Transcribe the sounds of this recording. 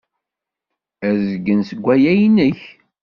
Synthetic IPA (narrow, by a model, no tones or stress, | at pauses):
æzəɡːənsəɡʷːæjæjnəç